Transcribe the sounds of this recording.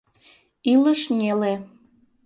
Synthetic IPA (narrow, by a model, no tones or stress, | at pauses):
iləʃnʲele